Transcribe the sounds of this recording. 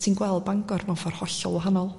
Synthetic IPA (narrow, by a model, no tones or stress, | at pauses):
tʰinɡwɛlˠd̚baŋɡɔrvɔnfɔrhɔɬɔ̰lˠwɔɦanɔlˠ